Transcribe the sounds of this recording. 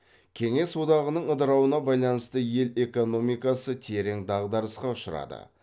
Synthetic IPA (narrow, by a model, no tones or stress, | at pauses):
kʲʰe̞ŋe̞swo̞d̪ɑʁənəɴəd̪əɾɑwənɑbɑjlˠɑnəst̪əje̞le̞ko̞no̞mijkɑsət̪ʰe̞ɾe̞ŋd̪ɑʁd̪ɑɾəsqɑʊʃəɾɑ̰d̪ə̰